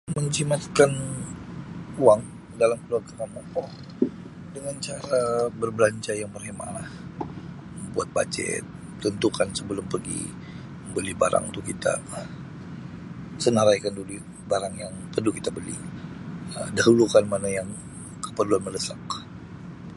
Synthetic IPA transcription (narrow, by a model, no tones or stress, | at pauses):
məɲt͡ʃimat̪̚kan | uaŋ | dalamkəluarkənamɔkɔ | dəŋant͡ʃaɾabərbəlaɲt͡ʃajaŋpərhema̰lah | əmbua̰t̪̚ba̰t͡ʃɛ̰t̪̚ | t̪ənt̪ukansəbəlʊmpərɡḭ | məbəlɪhba̰ɾa̰ŋt̪ukit̪a̰ | sənaɾajkanduli | baɾaŋjaŋpərdukit̪abəlɪ̰h | ədaɦulukanmanajaŋ | kəpərluanmələsak